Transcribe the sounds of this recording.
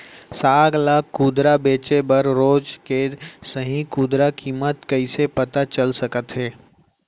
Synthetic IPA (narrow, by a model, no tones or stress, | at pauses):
saːɡlaːkːuːd̪ɾabeːt͡ʃebəɾɾoːd͡ʒkesəɦĩkuːd̪ɾakiːmət̪kəɪsepət̪at͡ʃəlsəkət̪ɦɛː